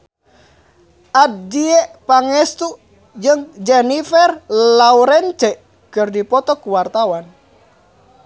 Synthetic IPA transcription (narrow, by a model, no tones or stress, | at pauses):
ʔad̚diɛpaŋɛst̪u | d͡ʒɨŋd͡ʒɛnifɛrlauɾɛnt͡ʃɛ | kɨrdipɔt̪ɔkuwart̪awan